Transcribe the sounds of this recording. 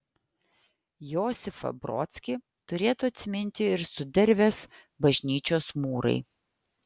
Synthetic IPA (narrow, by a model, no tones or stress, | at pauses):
joːsʲɪfɐ̰bɾɔ̰ːt̪ʲsʲkʲi | t̪ʊɾʲeːt̪uɐt̪ʲsʲɪmʲɪnʲt̪ʲɪɪɾsʊd̪ʲɛɾʲʋʲeːs | bɐʒʲnʲiːt͡ʃʲoːsmuːɾɐ̰ɪ